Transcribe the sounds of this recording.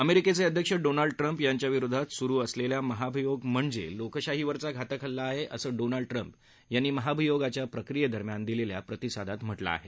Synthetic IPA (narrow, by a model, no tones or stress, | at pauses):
əmeɾiket͡seəd̪ʱjəkʂəɖonaɭɖ̚ʈɾəmpjaɲt͡ɕjaʋiɾud̪ʱat̪suɾuːəsleljaməɦabʱijoɡm̤əɳd͡zelokəɕaɦiʋəɾt͡saɡʱat̪əkʰəlːaːɦeʔəsəːɖonaɭɖ̚ʈɾəmp | janːiːməɦabʱijoɡat͡ɕjapɾəkɾijəd̪ʱəɾmjand̪ilelja̰pɾət̪isad̪ʱat̪m̤əʈla̰ːɦḛ